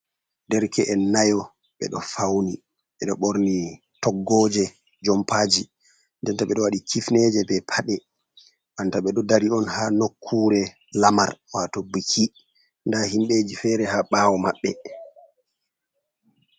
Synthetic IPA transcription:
ndɛɾkʰɛʔɛnːajɔ | ɓɛ̰ɗɔfawni | ɓɛɗɔɓoɾni | tɔɡːɔːd͡ʒɛ | d͡ʒɔmpaːd͡ʒi | ndɛntaɓɛɗɔwaɗikʰifnɛd͡ʒɛbɛpʰaɗɛ | ɓantaɓɛɗɔdaɾiɔnhanokʰːuːɾɛ | lama̰ɾwatɔbikʰi | ndahimɓed͡ʒifɛːɾɛhaɓaːwɔmaɓːɛ

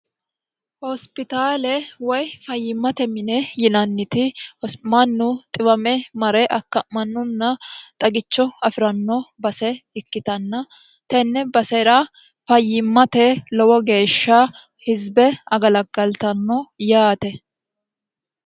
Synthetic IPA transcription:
hɔspɪt̪aːlɛwɔjfɐjːɪmːɐt̪ɛmɪnɛjɪnɐnːɪt̪ɪhɔmɐnːʊt̪ʼɪbɐmɛmɐɾɛʔɐkːɐmɐnːʊnːɐt̪ʼɐɡɪt͡ʃːɔɐfɪɾɐnːɔbɐsɛɪkːɪt̪ɐnːɐ | t̪ɛnːɛbɐsɛɾɐ | fɐjːɪmːɐt̪ɛlɔwɔɡe̞ːʃːɐ | hɪzbɛɐɡɐlɐɡɐlt̪ɐnːɔjaːt̪ɛ

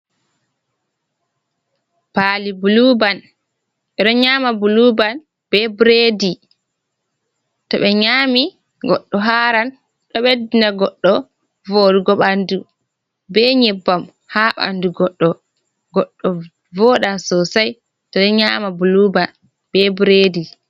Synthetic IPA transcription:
palibuluban | ʔɛɗɔɲaːmabuluban | b̥ɛbɾedi | tɔɓɛɲaːmi | ɡɔɗːɔɦaːɾan | ɗɔɓɛdinaɡɔɗːɔ | voɗuɡɔɓandu | bɛɲɛbːam | haʔa̰nduɡɔɗːɔ | ɡɔɗːɔ | vɔɗansɔsaj | tɔɓɛɲaːmabuluban | b̥ɛbuɾedi

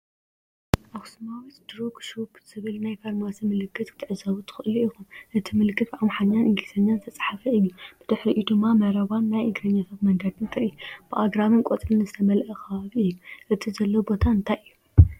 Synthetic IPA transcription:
ʔaxsumawit̪d̪̥ɾoɡʃopz̥ɨβɨlnajfʰaɾnwasɐmɨlɨkʰːɨt̪ɨ̥t̪ʰɨʕɨzaβut̪ʰɨ̥xɨʔɨluixunʔɨt̪ʰimɨlɨkʰːɨt̪ʕamħaɲːanʔɨŋɡisʰɐɲːant̪ʰɐt͡sʼħafɐɨjːub̥ɨd̪ɨħɾiʔd̪ɨmːamɐɾɐβanːajʔɨɡɾɐɲːat̪ʰɐt̪mɐŋɡɐd̪ɨnt̪ʰaʔɨjub̥ɨʔaɡɾamɨnkʼot͡sʼɾɨnɨzɨt̪ʰɐmɐlʔɐxʰɐβaβiɨjːuʔɨt̪ʰizɐlːɐwbo̞t̪ʰaɨnt̪ʰajɨjːu

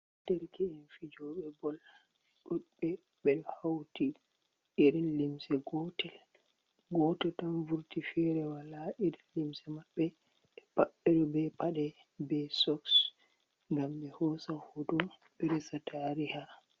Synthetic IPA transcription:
d̥ɛɾkɛɛnfid͡ʒɔɓɛbɔl | ɗuɗɓɛ | bɛlhawti | iɾinlimsɛɡɔtɛl | ɡɔtɛtanvuɾtifɛɾɛwalaʔiɾinlimsɛmaɓːɛ | ɛpaɓːɛɗɔbɛpaɗɛ | bɛsɔks | ŋɡamɓɛhɔsahodu | ɓɛɾɛsatʰaɾiha

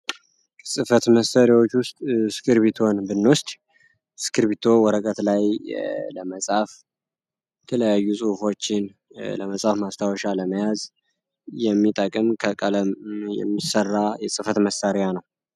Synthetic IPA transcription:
sʼɨfət̪məsəɾjawo̞t͡ʃːwʊst̪ʼsɨkʰɨɾβit̪ʰo̞nbɨnːʊst̪ʼ | sɨ̥kʰɨɾbit̪ʰo̞wɔɾəkʼət̪lajləməsʼaf | jɛt̪ʰələjajːusʼɨhfo̞t͡ʃːɪn | lə̰məsʼafmast̪ʰawɔʃaləməjaz | jɛmːit̪ʼəkʼɨmkʰəkʼələmjɛ̰mːisərːajɛsʼɨfət̪məsːəɾjanəw

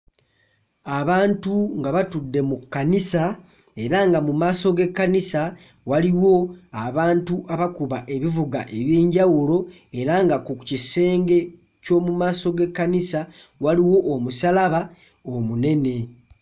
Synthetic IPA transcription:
aβaːntuŋɡaβatudːe̞mukːanisa | e̞ɾaŋɡamumaːso̞ɡe̞kːanisa | waliwo̞aβaːntuaβakuβaʔe̞βivuɡa̰ʔe̞βjeːɲɟawulo̞ | e̞ɾaŋɡakucise̞ːŋɡe̞ | co̞ːmumaːso̞ɡe̞kːanisa | waliwo̞ʔːmusalaβa | omune̞ne̞

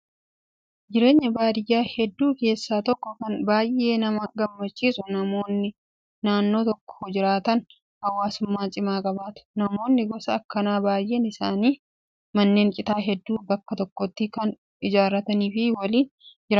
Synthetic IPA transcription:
d͡ʒɪɾe̞ːɲːɐbaːd̪ɪjːaːhɛd̪ːuːke̞ːsːaːt̪ɔkːɔkɐnbaːjʔːe̞ːnɐmɐɡɐmːɐt͡ʃːiːsʊnɐmo̞ːnːɪ | naːnːo̞ːt̪ɔkːɔd͡ʒɪɾaːt̪ɐn | hɐwːaːsʊmːaːt͡ʃʼɪmaːkʼɐbaːt̪ʊ̥nɐmo̞ːnːɪɡɔsɐːkːɐnaːbaːjʔe̞ːnɪsaːniː | mɐnːe̞ːŋkʼɪt̪aːɦɛd̪ːuːbɐkːɐt̪ɔkːɔt̪ːikɐn | ɪd͡ʒaːɾɐt̪ɐniːfɪwɐliːnd͡ʒɪɾaː

